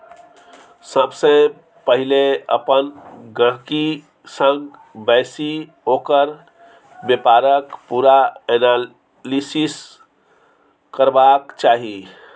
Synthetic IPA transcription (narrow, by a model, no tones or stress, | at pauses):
səbsə̃ | pəɦileə̰pənɡəɦki | sə̃ŋɡbɛɪsi | oːkəɾ | bepaɾəkpuɾaɛna | lisis | kəɾbakt͡ʃaːɦi